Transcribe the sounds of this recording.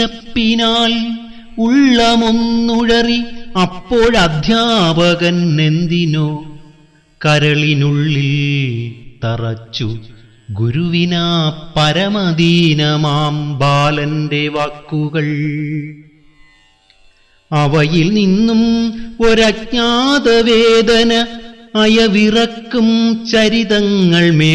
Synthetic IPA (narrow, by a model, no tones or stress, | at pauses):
ɐpːinaːl | uɭːɐmunːuɻɐriɐpːoːɻɐd̪ʱjaːbɐɣɐnne̞nd̪inoː | kɐɾɐɭinuɭːil | t̪ɐrɐt͡ɕːu | ɡuɾuʋinaːpːɐɾɐmɐd̪inɐmaːmbaːlɐndeʋakːuɣɐɭ | ɐʋɐjilninːumoɾɐk̚ɲaːd̪ɐʋeːd̪ɐnɐɐjɐʋirɐkːumt͡ɕɐɾiðɐŋːɐɭme